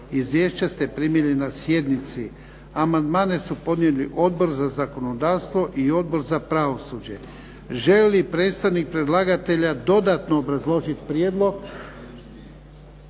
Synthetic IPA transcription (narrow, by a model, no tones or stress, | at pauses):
izʋjeːʃt͡ɕast̪e̞pɾimjelinasje̞d̪nit̪si | amand̪maːne̞supo̞d̪nʲieliʔo̞d̪̚bo̞ɾzazako̞no̞d̪aːʋst̪ʋo̞ʔio̞d̪bo̞ɾzapɾaʋo̞suːd͡ʑe̞ | ʒe̞lipɾe̞ːt̪st̪aʋnik̚pɾe̞d̪lˠaɡat̪e̞ʎad̪o̞d̪at̪noːbɾazlˠo̞ʒit̪pɾjeːd̪lˠo̞ɡ